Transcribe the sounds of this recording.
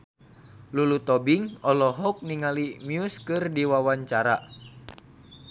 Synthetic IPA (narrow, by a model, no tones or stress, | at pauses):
lulut̪ɔbiŋɔlɔɦɔk̚niŋalimiuskɨrdiwawaɲt͡ʃaɾa